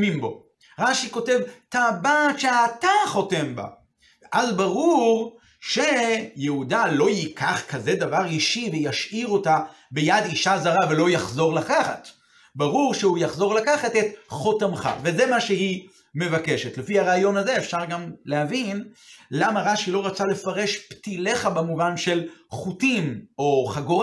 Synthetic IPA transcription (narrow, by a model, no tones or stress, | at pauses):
mimbo̞ | ʁaʃiko̞te̞vtabatʃeataχo̞te̞mba̰ | ʔazbaʁuʁ | ʃejeudalo̞jikʰaχkaze̞d̪avaʁiʃivejaʃʔiʁo̞ta | bejad̪iʃazaʁavelo̞jaχzo̞ʁlakaχa̰t | baʁuʁʃeujaχzo̞ʁlakaχatet̪χo̞tamχa̰veze̞maʃeɦi | me̞vake̞ʃetlefiaʁaːjo̞nazeefʃaʁɡamlehavinlamaʁaʃilo̞ʁat͡sale̞faʁe̞ʃptile̞χabemuvanʃe̞lχutimo̞χaɡo